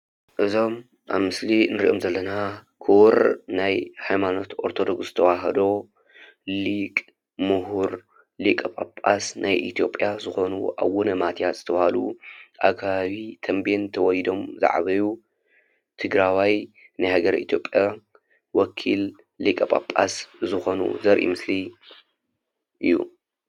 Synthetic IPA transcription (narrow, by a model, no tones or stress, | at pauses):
ʔɨzo̞m | ʔa̰βmɨslinɨɾiʔo̞mzɐlːɐna | kʰuwɾnajhajmano̞t̪ʔo̞ɾt̪ʰo̞d̪o̞ɡszɨ̥t̪ʰɐwaɦɐd̪o̞ | likʼ | mɨɦuɾ | likʼɐpʼapʼasnʔajʔit̪ʰijo̞pʼjazɨxo̞nṵʔa̰βwunɐmat̪ʰjat̪z̥ɨt̪ʰɐβhalṵʔa̰kʰːaβaβit̪ʰɐmbent̪ʰɐwɔjd̪o̞mza̰ʕ̰βɐju | t̪ʰɨɡɾawaj | nɨjhaɡɐɾḭt̪ʰijopʼja | wɔkʰil | likʼɐpʼa̰pʼːa̰szɨxo̞nṵzɐɾʔḭmɨsli | ʔɨ̰jːṵ